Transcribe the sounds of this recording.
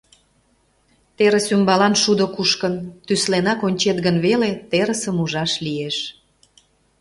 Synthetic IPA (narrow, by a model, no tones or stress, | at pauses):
t̪eɾəsymbɑlɑnʃud̪okuʃkənt̪yslenɑkonʲt͡ɕet̪ɣənβelet̪eɾəsəmuʒɑʃlieʃ